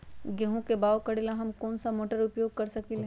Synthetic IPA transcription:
ɡɐɦõkebaːokɐɽelaɦɐmkɔːnsamoːʈəɾʊpjoːɡ̚kɐɾsɐkil

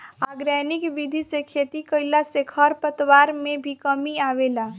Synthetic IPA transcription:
aɡɾanikbid̪ʱisẽkʰet̪ikəɪlasekʰəɾpət̪waɾmebʱikəmiaʋela

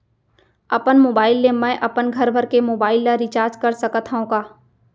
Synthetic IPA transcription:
ɐpənmoːbaːɪlːemɛ̃ːʔɐpənɡʱɐɾbʱəɾkemoːbaːɪlːaɾit͡ʃaːɾd͡ʒkɐɾsəkət̪ʰɦaõkaː

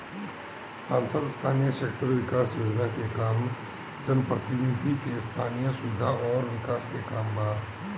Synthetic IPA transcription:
sãːnsəd̪st̪ʰaːnijəʃeːkʈəɾʋɪkaːsjoːd͡ʒnakekaːm | d͡ʒənpɾət̪ɪnɪd̪ʱikest̪ʰaːnijəsʊʋɪd̪ʱaʔɔːɾʋɪkaːskekaːmbaːd

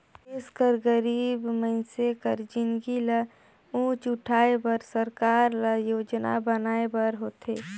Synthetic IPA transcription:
ɪskəɾɡəɾiːbməɪsekəɾd͡ʒɪnɡilə | ũːt͡ʃʊʈʰaːebəɾsəɾkaːɾləjoːd͡ʒna̰bənaːebəɾɦoːt̪ḛː

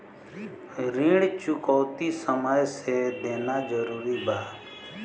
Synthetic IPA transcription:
ɾĩːɽt͡ʃʊkoːt̪iːsəməjseːd̪eːnaːd͡ʒəɾuːɾiːbʱaː

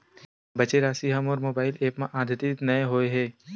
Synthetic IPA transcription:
bɐt͡ʃeɾaːsiɦɐmɔːɾmoːbaːɪleːpmẽʔãːd̪ʱət̪ɪt̪nɐẽɦoːeɦɛː

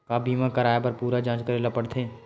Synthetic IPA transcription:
kaːbiːmãkɐɾaːjepɐɾpuːɾad͡ʒãːt͡ʃkəɾelapəɽt̪ʰẽː

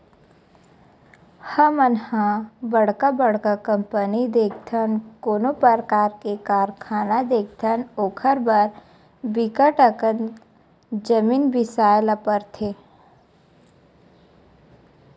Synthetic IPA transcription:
həmənhãbəɽ̤kabəɽ̤kakə̃mpənid̪eːkʰt̪ʰənkoːnopəɾkaːɾkekaːɾkʰaːnad̪eːk̚ʰt̪ʰənoːkʰəɾbəɾ | bɪkəʈəkən | d͡ʒəmiːnbɪsaːlapəɾt̪ʰe

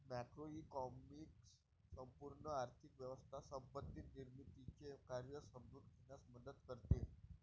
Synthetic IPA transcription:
mækɾoikɔmiks | səmpuɾɳəaɾt̪ʰikʋjəʋəst̪ʰasəmpət̪ːiːt̪niɾmit̪it͡ɕekaɾjəsəmɾud̪ɡʱenjasməd̪əd̪kəɾt̪e

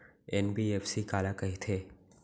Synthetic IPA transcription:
enbiːeːfʰsikaːlakɐɦit̪ʰeː

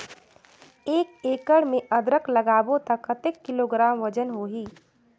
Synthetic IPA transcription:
eːkeːkəɽmẽʔɐd̪ɾəklɐɡaːbot̪ɐkət̪ekːɪloːɡɾaːmʋɐd͡ʒənɦoːɦiː

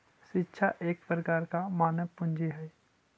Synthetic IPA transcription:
ʃɪtːʃʰaʔeːk̚pɾəkaːɾkamaːnəpʊ̃nd͡ʒiɦɛ

